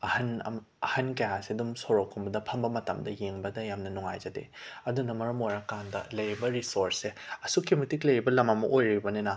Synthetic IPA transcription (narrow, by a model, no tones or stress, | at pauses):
ɐhɐnɐ̰ | ɐhɐnkɐjasidumsoɾokʰːumbɐdɐpʰɐmbɐmɐtɐ̰mdɐjeŋbɐdɐjamnɐnuŋa̰jd͡ʒɐdḛɐdunɐmɐɾɐmojɾɐkandɐ̰lɐjɾibɐɾisoɾseɐsukʰimitiklɐjɾibɐlɐmɐmɐ̰ʔojɾibɐnenɐ